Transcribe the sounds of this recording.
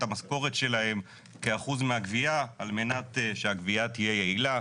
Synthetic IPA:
tamasko̞ʁetʃe̞lahe̞m | ke̞aχuzmeaɡviaalme̞natʃeaɡviatije̞je̞ila

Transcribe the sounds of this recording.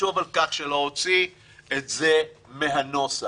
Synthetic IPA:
ovalkaχʃelo̞ot͡si | etzemeɦano̞sa

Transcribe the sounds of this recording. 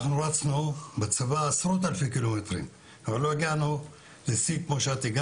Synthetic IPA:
χnuʁat͡snubet͡savaːsʁot̪alfekilomet̪ʁḭm | avalːojaɡanu | lesikmoʃeat̪iɡa

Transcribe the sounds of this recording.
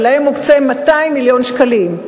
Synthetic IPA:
laemːukt͡semːat̪aimːiljo̞nʃkalim

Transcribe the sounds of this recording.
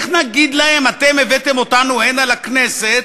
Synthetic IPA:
χnaɡid̪lahemat̪emevet̪emo̞t̪anuenalakneset̪

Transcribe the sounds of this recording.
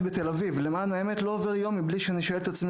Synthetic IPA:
bet̪elavivlemanaeme̞t̪lo̞ːveʁjo̞mːibliʃeaniʃoelet̪at͡sm

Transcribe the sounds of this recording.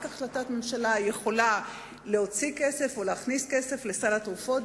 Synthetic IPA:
kaχlatatmemʃalaje̞χo̞la | le̞o̞t͡sike̞se̞foleaχniske̞se̞fle̞salatʁufo̞t

